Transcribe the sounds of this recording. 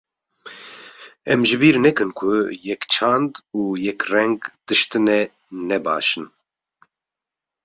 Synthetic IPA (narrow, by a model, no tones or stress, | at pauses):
ɛmʒɨbiːɾnɛkɨnkʰʊjɛkt͡ʃʰand̪uːjɛkrɛŋɡd̪̥ɨʃt̪ɨnɛ | nɛba̰ːʃɨn